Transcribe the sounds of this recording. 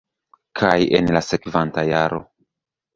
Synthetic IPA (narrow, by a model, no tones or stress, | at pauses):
kʰajḛnlase̞kvantajaɾo̞̰